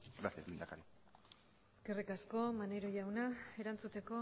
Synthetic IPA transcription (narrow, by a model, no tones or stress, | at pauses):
ɡɾaθezlind̪a̰kaɾi | eske̞rikasko̞maneɾoʝawnae̞ɾant͡sut̪e̞ko̞